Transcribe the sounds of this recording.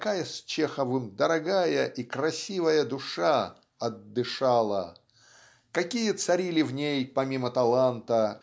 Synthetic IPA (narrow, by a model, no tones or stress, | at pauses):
kajəsʲt͡ɕexəvɨmd̪əɾɐɡajəʔikɾɐsʲivəjəd̪ʊʂa | ɐd̪ːɨʂalˠə̰ | kɐkʲijət̪sɐɾʲilʲɪvnʲejpɐmʲimət̪ɐlˠant̪ə